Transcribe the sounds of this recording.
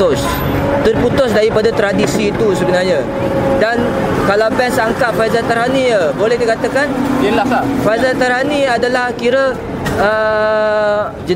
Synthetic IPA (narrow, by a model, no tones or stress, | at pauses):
ʊs | t̪ərput̪ʊsdaɾipadat̪ɾadisiːt̪usəbənarɲa | dan | kalawpɛnsaŋkat̪̚fazat̪aɾɦaniəbolɛhdikat̪akandəlafajzat̪aɾɦaniadalahkiɾə | ə | d͡ʒə